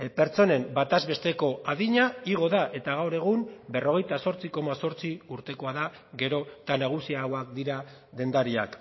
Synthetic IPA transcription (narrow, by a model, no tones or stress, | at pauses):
pe̞ɾt͡so̞ne̞mbat̪azβe̞st̪e̞ko̞aðiɲaiɣ̞o̞ðaʔe̞t̪aɣ̞awɾe̞ɣ̞umbe̞ro̞ɣ̞e̞jt̪aso̞ɾt͡siko̞maso̞ɾt͡siuɾt̪e̞ko̞aða | ɣe̞ɾo̞t̪anaɣ̞usiaɣwak̚d̪iɾa | d̪e̞nd̪aɾia̰k